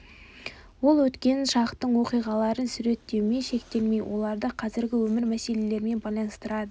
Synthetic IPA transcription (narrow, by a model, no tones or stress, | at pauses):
wo̞lˠwɵt̪kʲe̞nʃɑqt̪ːəɴwo̞qijʁɑlˠɑɾənsʉɾe̞t̪ːe̞wme̞ʃe̞kt̪e̞lme̞jwʔo̞̰lˠɑɾd̪əqʰɑzɪɾɡʲɪwɵmɪɾmæse̞le̞le̞ɾɪme̞nbɑjlˠɑnəst̪əɾɑd̪ə